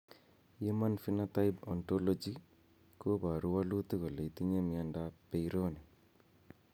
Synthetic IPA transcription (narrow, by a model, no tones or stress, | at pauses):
jemanfinat̪ajbɔntɔlɔd͡ʒi | kobaɾuwalut̪ikɔlejt̪iɲemiandapejɾoni